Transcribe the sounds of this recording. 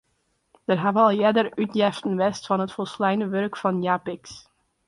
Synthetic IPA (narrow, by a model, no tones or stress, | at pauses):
d̥ərɦavəɑlˠjɛdərytjɛftən̩ʋɛstfɑnətfɔlˠslɛjnəʋørkfɑnjaːpɪks